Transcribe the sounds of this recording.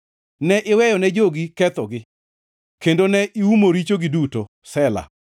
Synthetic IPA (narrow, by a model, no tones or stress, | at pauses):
nɛʔɪwɛjɔnɛd͡ʒoɡikɛt̪ɔɡɪ | kendonɛʔiumoɾit͡ʃoɡiduto | sɛla̰